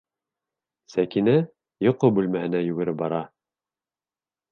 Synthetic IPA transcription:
sækinæ | jŏqobʉlmæhɘ̆næjʉɡɘ̆ɾɘp̚bɑɾɑ

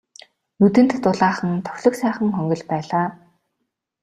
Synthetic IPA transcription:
nut̪ɘ̆n̥t̪ːʊɮaːχə̆nt̪ʰœ̥xʲɮɞ̆ksæːχə̆ŋχœŋɡʲɞ̆ɮpæːɮaː

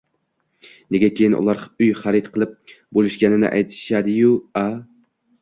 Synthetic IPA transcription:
neɡʲɛkʲʰejinʔṵlˠɑɾyjχæɾɪt̪qʰəlˠɪp̚bolˠɪʃɡʲænɪnɪ̰ʔæ̰jt̪ʰɪ̥ʃad̪ɪjua

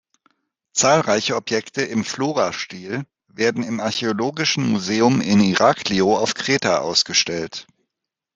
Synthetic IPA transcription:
t͡saːlʁaɪçəɔpjɛktəɪmfloːʁaʃtiːl | veːɐdn̩ɪmaɐçeoloːɡɪʃn̩muzeːʊmɪniʁaːkʰliːoaʊfkʁ̥eːtaʔa̰ʊsɡ̥əʃtɛlt

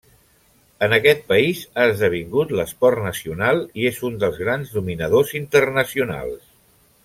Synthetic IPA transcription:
ənəkɛt̪̚pəizaəzðəβ̞iŋɡut̪ləspɔrnəsiunalˠiezund̪əlˠzɣɾanznuminəðozint̪ərnəsiuna̰lˠs

